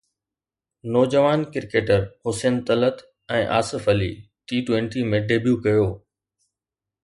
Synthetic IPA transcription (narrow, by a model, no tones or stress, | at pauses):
nɔːd͡ʑəʋaːnkɪɾkeːʈəɾhʊseːnt̪ɐlət̪ | ɛ̃ːʔa̰ːsɪfəlḭː | ʈiːʈwɛ̃ɳʈimẽɖeːbjukɐjoː